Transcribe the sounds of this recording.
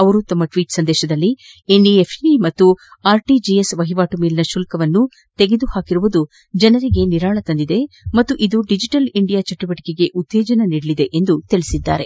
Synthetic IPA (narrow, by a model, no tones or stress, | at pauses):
ɐʋɐɾut̪ɐmːɐʈʋiːʈsɐnd̪ɛːʃɐd̪ɐlːi | enɖiepʰimɐt̪ːuaːɾʈid͡ʒijesʋɐɦiʋaːʈumeːlinɐʃuːlkɐʋɐnːu | t̪eɡe̞d̪uhaːkiɾuʋud̪u | d͡ʒɐnɐɾiɡe̞niɾaːɭɐt̪ɐnd̪id̪e̞ | mɐt̪ːuʔid̪uɖid͡ʒiʈɐliɳɖijaːt͡ʃɐʈːubɐʈi̥ke̞ɡe̞ʔut̪ːeːd͡ʒɐnɐniːɽɐɭid̪e̞ʔend̪ut̪iɭisid̪ːa̰ːɾe̞